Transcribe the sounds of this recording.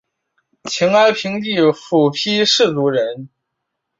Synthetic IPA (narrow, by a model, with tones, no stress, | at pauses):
t͡ɕʰi˧˥ŋa˥ɪpʰi˧˥ŋt̪i˥˩fu˨˩pʰi˥ʂɻ̩˥˩t͡su˧˥ɻə˧˥n